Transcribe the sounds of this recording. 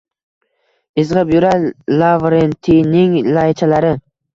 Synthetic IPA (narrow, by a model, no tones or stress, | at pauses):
ɪzʁɨpjʊɾalavɾent̪ʰinɪŋlajt͡ʃʰalaɾɪ